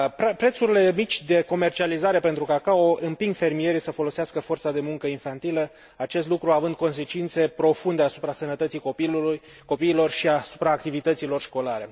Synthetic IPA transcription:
pɾpɾe̞t̪suɾile̞mit͡ʃʲd̪e̞ko̞me̞rt͡ʃializaɾe̞pe̞nt̪ɾukakaoɨmpiŋɡfe̞rmije̞ɾisəfolo̞seaskəfo̞rt̪sad̪e̞muŋkəinfant̪ilə | at͡ʃe̞s̬t̪lukɾuavɨnd̪̚ko̞ns̬e̞t͡ʃint̪se̞pɾo̞fund̪e̞asu̥pɾasənət̪ət̪sikoilu | ko̞piːlo̞rʃiasu̥pɾaːk̚t̪ivit̪ət̪silo̞rʃko̞laɾe̞

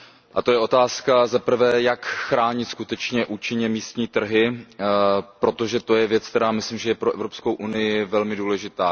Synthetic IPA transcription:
ʔat̪o̞jɛʔo̞t̪aːskazapr̩vɛːjakxɾaːɲɪt̪skut̪ɛt͡ʃɲɛʔuːt͡ʃɪɲɛmiːst̪ɲiːt̪r̩ɦɪ | pɾo̞t̪o̞ʒɛt̪o̞jɛvjɛt͡sk̚t̪ɛɾaːmɪslimʒɛjɛpɾo̞ʔɛvɾo̞psko̞wʔunɪjɪvɛlmɪduːlɛʒɪt̪aː

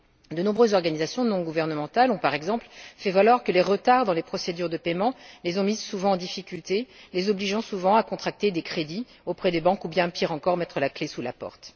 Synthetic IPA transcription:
d̪ənɔ̃bʁøzːɔʁɡanizasjɔ̃nɔ̃ɡuvɛʁnəmɑ̃t̪alɔ̃paʁɛɡzɑ̃plfɛvalwaʁkəleʁət̪aʁd̪ɑ̃lepχɔsed̪yʁd̪əpɛmɑ̃lezɔ̃mizsuvɑ̃ɑ̃d̪ifikʲylt̪elezɔbliʒɑ̃suvɑ̃akɔ̃t̪χak̚t̪ed̪ekχed̪i | opχɛd̪ebɑ̃kubjɛ̃piʁɑ̃kɔʁmɛt̪χəlaklesula̰pɔ̰ʁt̪

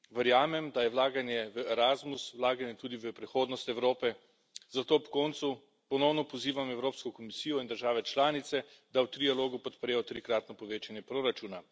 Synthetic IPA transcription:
ʋəɾjaːmɛmd̪ajɛʋlaːɡanjɛʋəɛɾazmuswlaːɡanjɛt̪uːd̪iʋəpɾixoːd̪nɔst̪ɛwɾoːpɛ | zat̪oːpkɔːnt̪su | pɔnɔwnɔpɔziːʋamɛwɾoːpskɔkɔmisiːjɔind̪əɾʒaːʋɛt͡ʃlaːnit̪sɛd̪awt̪ɾialoːɡupɔt̪pɾɛjɔt̪ɾikɾaːt̪nɔpɔʋeːt͡ʃanjɛpɾoːɾat͡ʃuːna

